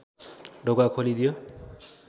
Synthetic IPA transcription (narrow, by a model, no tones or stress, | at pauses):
ɖoɡakʰolid̪ijo